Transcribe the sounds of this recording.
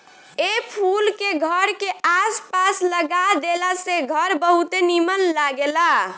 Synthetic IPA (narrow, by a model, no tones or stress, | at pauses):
epʰulkeɡʱəɾkeaspasləɡad̪elaseɡʱəɾbəɦut̪enimənlaɡela